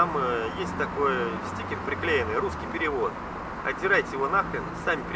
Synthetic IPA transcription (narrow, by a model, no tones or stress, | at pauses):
amjesʲt̚ʲt̪ɐko̞jsʲtʲikʲɪnpɾʲɪklʲejɪnɨjɾuskʲijpʲɪɾʲɪvo̞t̪ | ɐ̰tʲɪɾajtʲɪjɪvo̞naxlʲɪnsamʲɪpɾʲ